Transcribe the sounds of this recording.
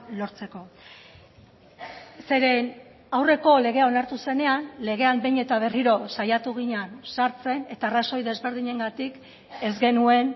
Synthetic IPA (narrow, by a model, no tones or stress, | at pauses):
lo̞ɾt͡se̞ko̞ | se̞ɾe̞n | awre̞ko̞le̞ɣ̞e̞ao̞naɾt̪use̞ne̞anle̞ɣ̞e̞ambe̞jɲe̞t̪aβe̞riɾo̞sajat̪uɣ̞iɲansaɾt͡se̞ne̞t̪aːraso̞jðe̞zβe̞ɾð̞iɲe̞ŋɡat̪ik | e̞zɡe̞nue̞n